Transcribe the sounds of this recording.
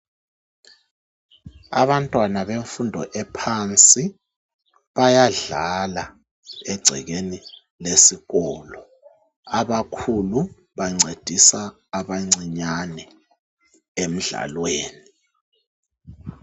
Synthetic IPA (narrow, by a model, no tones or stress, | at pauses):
a̰βantʼwanaβeɱfundʱɔ̰ʔɛpʰant͡sʼi | βajaɮala | ɛɡ͡ǀʱɛ̰ɣeni | lesiɣɔːlɔ | aβakʰulu | βaŋ͡ǀed̥ʱisaː | βaŋ͡ǀiɲanɛ | em̩ɮa̰lweːni